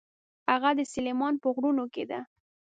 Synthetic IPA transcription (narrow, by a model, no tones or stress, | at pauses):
haɣad̪əselemɑnpəɣɾunoked̪a